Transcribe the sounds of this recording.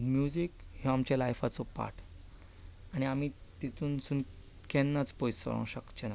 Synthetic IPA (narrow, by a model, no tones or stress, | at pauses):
mjud͡zikhjɔamt͡ɕjalajfat͡sɔpa̰ɾʈʰ | añiam̤it̪it̪ʰuːnsuːn | kɛnːat͡spojsə̰ɾõ̰ɕəkt͡ɕəna